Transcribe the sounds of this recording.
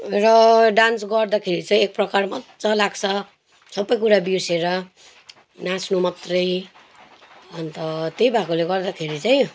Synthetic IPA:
rʌɖansɡʌrd̪akʰeɾit͡saj̃ek̚prʌkarmʌt̪t͡sʌlaɡt͡sʰʌ | sʌbːʌjkuɾabiseɾʌ | nãsʰnumʌt̪rʌj | ʌnt̪ʌt̪ejbʱakoleɡʌrd̪akʰeɾit͡saj̃

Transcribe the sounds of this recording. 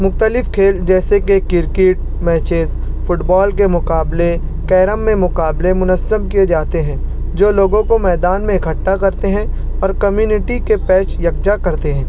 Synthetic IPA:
mʊxt̪əlɪfkʰeːld͡ʒɛːsekekɪɾkɪʈ̚ | mɛːt͡ʃez | fʰʊʈbɔːlkemʊqaːble | kɛːɾəmːẽmʊqaːblemʊnəzːəmkied͡ʒaːt̪eɦɛ̃ː | d͡ʒoːloːɡõkomɛːd̪aːnmẽɪkʰəʈːakɐɾt̪eɦɛ̃ | ɔːɾkɐmjuːnɪʈikepɛːt͡ʃjɐɡd͡ʒakɐɾt̪eɦɛ̃ː

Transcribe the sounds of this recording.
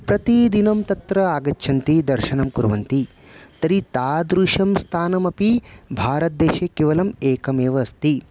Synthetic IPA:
pɾɐt̪id̪inɐmt̪ɐt̪ɾɐaːɡɐtːʃʰɐnt̪id̪ɐɾʃɐnɐmkuɾʋɐnt̪i | t̪ɐɾit̪aːd̪ɾuʃɐmst̪ʰaːnɐmɐpibʱaːɾɐt̪̚d̪eːʃekeːʋɐlɐmeːkɐmeːʋɐːst̪i

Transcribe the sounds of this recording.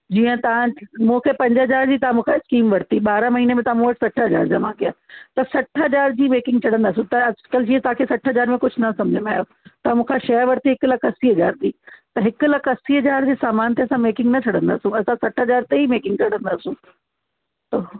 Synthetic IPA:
d͡ʑiːə̃t̪ɐʋãmũːkʰepɐ̃ɲd͡ʑɦɐd͡ʑaːɾd͡ʑiːt̪ɐãmũːkʰaɪskiːmʋɐɾt̪iɓaːɾamɐɦiːnemẽt̪ɐʋãmũːʋɐʈʰsɐʈʰɦɐd͡ʑa̰ːɾd͡ʑaːmãːkijaːt̪ɐsɐʈʰɦɐd͡ʑaːɾd͡ʑiːmeːkɪ̃ŋɡ̚t͡ɕʰɐɽ̤ə̃nd̪aːsũt̪ɐɐd͡ʑkəld͡ʑiːɐ̃t̪ɐãːkʰesɐʈʰɦɐzaːɾmẽkʊd͡ʑʱʊnɐsɐ̃md͡ʑʱəmaːɦjo | t̪ɐãmũːkʰaʃɐjəɾʋɐɾt̪iɦɪklɐkɐsiːɦɐd͡ʑaːɾt̪iːt̪ɐɦɪkʊlɐkɐsiːɦɐd͡ʑaːɾd͡ʑeːsaːmaːnt̪eɐsãmeːkɪ̃ŋɡnɐt͡ɕʰɐɽə̃nd̪a̰ːsũɐsãsɐʈʰɦɐd͡ʑaːɾt̪eimeːkɪ̃ŋɡ̚t͡ɕɐɽə̃nd̪aːsũː | t̪ɐ

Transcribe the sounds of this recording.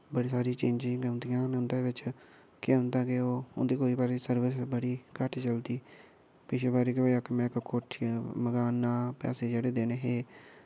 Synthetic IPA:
bəɽiːsaːɾiːt͡ʃẽːɲd͡ʒĩːɡənd̪ijãːnʊ̃nd̪eːʋɪt͡ʃ | keɦʊ̃nd̪aːɡeoːʊnd̪iːkoːiːbaːɾesəɾʋəsbəɽiːkəʈʰt͡ʃəld̪iː | pɪʃeːbaːɾiːkɪoəkmɛ̃ːkkoʈʰməɡaːnaːpɛ̰ːseːd͡ʒeːɽeːd̪eːneːɦeː

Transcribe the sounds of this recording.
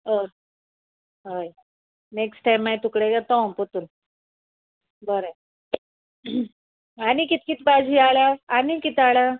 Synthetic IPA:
əɾ | ɦəj | neksʈajmːajt̪ukɽeɡat̪ɔ̃put̪un | bəɾe | anikit̪̚kit̪bad͡ʑʱiːaɭjaːnikit̪aɭja

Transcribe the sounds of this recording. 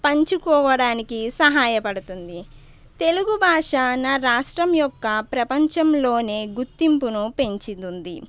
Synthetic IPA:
pɐɲt͡ʃukɔːʋɐɽaːnikisɐɦaːjɐpɐɽut̪und̪i | t̪e̞luɡubʱaːʂaːnɐɾaːʂʈɾɐmjɔkːɐpɾɐpɐɲt͡ʃɐmlo̞ːne̞ːɡut̪ːimpunupe̞ɲt͡ʃid̪und̪ḭ

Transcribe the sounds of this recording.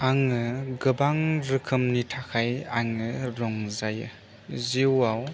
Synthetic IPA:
aŋɯɡɯbaŋɾɯkʰɯmnitʰakʰajaŋɯɾɔŋzajɯ̰ | ziwaw

